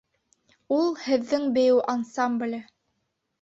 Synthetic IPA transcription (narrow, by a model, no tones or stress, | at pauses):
ulˠhɘ̆ðːɘŋbɘ̆jɘwʔansamblʲ